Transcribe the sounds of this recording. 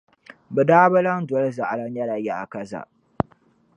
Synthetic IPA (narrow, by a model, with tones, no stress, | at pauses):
bɛ˨daː˦ba˦la˦n˦dɔ˨˦lza˨ʔa˨la˦ɲ˦a˦la˨ja˦˨ʔa˨ka˦za̰˨ʔ